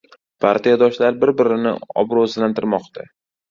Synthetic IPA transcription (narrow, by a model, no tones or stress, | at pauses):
pʰaɾt̪ʰijad̪ɒʃlaɾbɪɾbɪɾɪnɪ̰ɒ̰bɾozlant̪ʰɪɾmɒqt̪ʰa